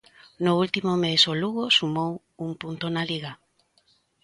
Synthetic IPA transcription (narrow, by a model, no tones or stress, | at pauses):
nʊult̪imomesoluɣosumow | uŋpunt̪onaliɣa